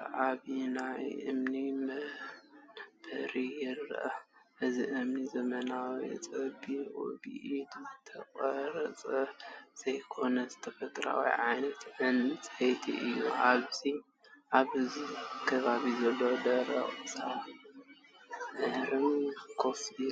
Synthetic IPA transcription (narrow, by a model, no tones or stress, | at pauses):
ʔaβinajʔɨ̰mni | b̥ɐɾijɪɾ̰ːʔɐʔɨziʔɨmnizɐmɐnawit͡sʼɐbiʔʼṵbḭʔid̪zɨt̪ʰɐkʼɐɾɐt͡sʼɐz̥ɐjkʰo̞nɐzɨt̪ʰɐfɐt̪ʼɾa̰wḭʕajnɐt̪ʕɨnɨt͡sʼɐjt̪ʰḭʔɨjːṵʔaβz̥i | ʔaβɨzikʰɐβaβizɐlːod̪ɐɾɐχʼɨt͡sʼa | ɨd̪ɾɨmkʰosi